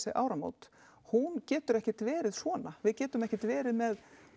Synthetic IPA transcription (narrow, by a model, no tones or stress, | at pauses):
seʔa̰ːwɾamo̰wt̪ | huncɛːt̪ʏɾɛhcɪt̪vɛːɾɪðsvɔːnavɪðcɛːt̪ʏmɛhcɪt̪vɛːɾɪðmɛð